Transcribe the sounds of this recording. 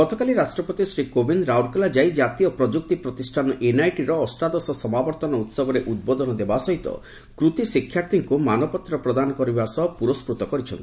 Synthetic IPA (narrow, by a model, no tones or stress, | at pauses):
ɡɔt̪ʰɔkaliɾasʈɾɔpɔt̪isɾikobinɾawɾkɔlad͡ʒaijd͡ʒat̪iɔpɾɔd͡ʒuk̚t̪ipɾɔt̪isʈʰanɔʔenajʈiɾɔːsʈɾad̪ɔsɔsɔmabɔɾt̪ɔnɔut̪sɔbɔɾeʔud̪̚bɔd̪ɔnɔd̪ebasɔɦit̪ɔ̰ | kɾut̪isikʰːjaɾt̪iŋkumanɔpɔt̪ɾɔpɾɔd̪anɔkɔɾibasɔɦɔpuɾɔspɾut̪ɔkɔɾit͡ʃʰɔnt̪i